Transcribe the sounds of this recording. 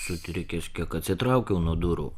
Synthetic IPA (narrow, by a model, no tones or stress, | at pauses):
sʊt̪ʲɾʲɛkʲɛsʲkʲɛkɐt̪ʲsʲɪt̪ɾɐˑʊkʲɛʊnuɔd̪ʊɾṵː